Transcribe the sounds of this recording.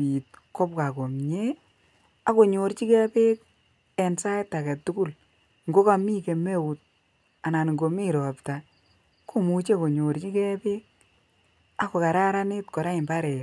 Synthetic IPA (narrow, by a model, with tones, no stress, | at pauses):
i˨t̚kɔ˦p̚ka˨ko˨mɲe˦ | a˨˦ko˨ɲo˨ɾt͡ʃi˦kɛ˦pe˦k̚ | ɛ˨nsa˦jtːa˨kɛ˨tːu˦ku˦˨l | ŋɡo˦ka˨mi˦ke˨me˦wu˨t̚ | a˨na˨nŋɡo˨mi˦ɾɔ˨pta˨ | kʰo˦mu˨t͡ʃe˦ko˨ɲo˨ɾt͡ʃi˦kɛ˦pe˦k̚ | a˦ko˨ka˨ɾa˦ɾa˦ne˦tkɔ˨ɾa˦i˨mba˦ɾɛ˨